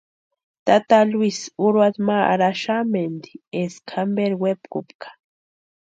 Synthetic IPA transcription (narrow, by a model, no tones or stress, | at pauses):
t̪at̪alwisuɾwad̪maa̰ɾaʃamend̪ieskʰambeɾwepkṵpkʰḁ